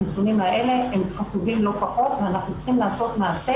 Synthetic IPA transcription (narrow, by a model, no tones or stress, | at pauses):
isunimaʔele̞emfaχuvimlo̞paχo̞t̪veanaχnuet͡sχimlaːso̞t̪maːse